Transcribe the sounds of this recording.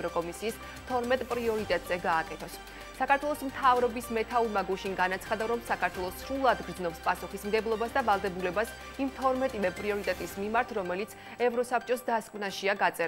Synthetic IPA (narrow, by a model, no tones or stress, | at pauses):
ɾɔkʼɔmisiːs | t̪ʰɔɾmɛt̪ʼpʼɾiɔɾit̪ʼɛt̪ʼz̥ɛɡaːkʼɛt̪ʰɔsː | akaɾt̪ʰwɛlˠɔsmt̪ʰavɾɔbismɛt̪ʰauɾmaɡuʃiŋɡanat̪sʰχad̪aɾɔmsakʰaɾt̪ʰwɛlˠɔsɾulˠad̪ɡɾd̪znɔpspʼasuχismɡɛblˠɔbasd̪avalˠd̪ɛbulɛbas | imt̪ʰɔɾmɛt̪ʼivɛpʼɾiɔɾit̪ʼɛt̪ʼismimaɾt̪ʰɾɔmɛlit̪sʰ | ɛvɾɔsap̚ʰt͡ʃʼɔsd̪askʼmnaʃiaɡat̪sʼɛ